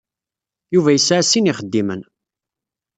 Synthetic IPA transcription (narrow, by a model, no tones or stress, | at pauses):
juvæjəsːʕasːiniχəd̪ːimən